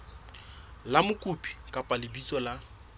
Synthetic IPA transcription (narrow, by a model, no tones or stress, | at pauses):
lamʊkʼupʼi̥kʼapʼalɪbit͡sʼɔla